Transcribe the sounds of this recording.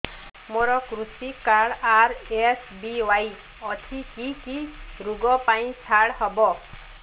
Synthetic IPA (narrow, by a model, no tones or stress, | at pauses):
moɾɔkɾusikaɽaɾesbiwaj | ɔt̪ʰikikiɾuɡɔpaĩt͡ʃʰaɽɦɔbɔ